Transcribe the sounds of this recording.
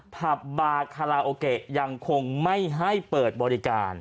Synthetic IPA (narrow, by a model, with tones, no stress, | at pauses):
pʰa˨˩p̚baː˧kʰa˧ɾaː˧ʔoː˧ke˨˩ʔja˧ŋkʰo˧ŋma˥˩jɦa˥˩jpɤː˨˩t̪̚bɔː˧ɾi˦˧kaː˧n